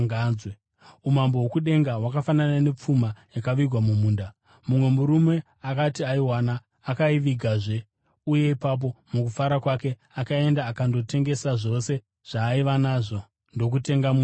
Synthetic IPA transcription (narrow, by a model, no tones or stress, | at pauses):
ɡawe | umambowokuɗe̞ŋɡawakafananane̞p͡fumajakaʋiɡʱwamumuːnda | mumwe̞muɾume̞ | akatiaiwanaː | kaiʋiɡʱaʐe̞ | uje̞ipap̬o̞mukufaɾakwake̞ | akae̞ndaːkando̞te̞ŋɡe̞saʐo̞se̞ | ʐ̥aːiʋanaʐo̞ | ndo̞k̬ute̞ŋɡamu